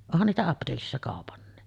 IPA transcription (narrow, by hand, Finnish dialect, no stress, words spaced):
onhɑn niːtæ ɑpteːkisːɑ kɑˑopɑnːi